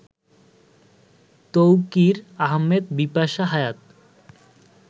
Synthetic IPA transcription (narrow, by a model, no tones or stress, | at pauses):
t̪owkiɾaɦmed̪bipaʃaɦajat̪